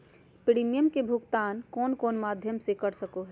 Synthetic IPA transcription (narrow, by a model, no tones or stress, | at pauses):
pɾimijəmkebʱuɡt̪ankonkoːnmad̪ʱjəmsekəɾsəkoɦɛ